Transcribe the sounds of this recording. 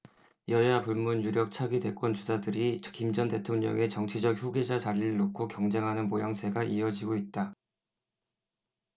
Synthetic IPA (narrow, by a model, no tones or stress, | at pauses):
jʌjapuɭmunjuɾjʌk̚t͡ɕʰaɡide̞k͈wʌnt͡ɕusadɯɾikimd͡ʑʌnte̞tʰoŋɲʌ̰ŋe̞t͡ɕʌŋt͡ɕʰid͡ʑʌk̚çuɡed͡ʑat͡ɕaʎːiɾɯɭːokʰokjʌŋd͡ʑe̞ŋɦanɯnmojaŋsʰe̞ɡaʔiʌd͡ʑiɡoit̚t͈a